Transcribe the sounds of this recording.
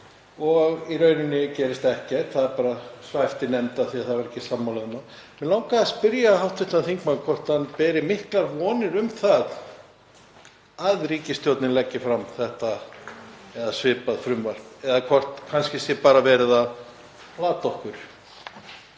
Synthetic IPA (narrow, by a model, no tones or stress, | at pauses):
ɔɣiɾœːɥnʏnːɪcɛːɾɪst̪ɛhcɛt̪θaðɛɾpaːɾasvaɛft̪ɪnɛmt̪aðθiaðθaðvaɾɛhcːɪsamːawlɛðʏnamɛnlaːwkaspʏɾjahawht̪vɪht̪aθiŋkmakʰɔr̥t̪hanpɛːɾɪmɪhklaɾvɔːnɪɾʏmθað | aðɾiːcɪst̪jowt̪nɪnlɛcːɪfɾamθɛht̪a | ɛðasvɪːpaðfɾʏmvar̥pɛðakʰvɔr̥t̪kʰanscɪsjɛpaːɾavɛːɾɪðað | laːt̪ɔhkʏɾ̥